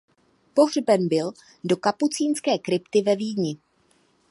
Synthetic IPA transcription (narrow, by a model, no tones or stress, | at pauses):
po̞ɦr̝bɛnbɪl | do̞kaput͡siːnskɛːkɾɪpt̪ɪvɛviːdɲɪ